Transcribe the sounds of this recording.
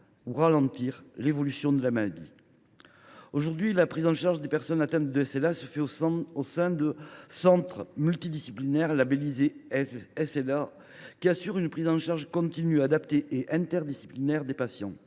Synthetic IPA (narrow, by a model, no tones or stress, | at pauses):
uʁalɑ̃t̪iʁlevɔlysjɔ̃d̪əlamalad̪ḭ | oʒuʁd̪ɥilapχizɑ̃ʃaʁʒd̪epɛʁsɔnat̪ɛ̃nt̪d̪əɛsɛlasəfɛoosɛ̃d̪əsɑ̃t̪χəmylt̪id̪isiplinɛʁlabelize | ɛsɛla | kʲiasyʁynpχizɑ̃ʃaʁʒkɔ̃t̪inyad̪apt̪eʔeʔɛ̃t̪ɛʁd̪isi̥plinɛʁd̪epasjɑ̰̃